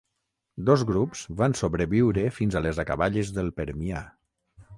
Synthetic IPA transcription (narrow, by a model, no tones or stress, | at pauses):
d̪ozɣɾupz̥βansoβɾeβiwɾefinzalezakaβaʎezðəlˠpeɾmia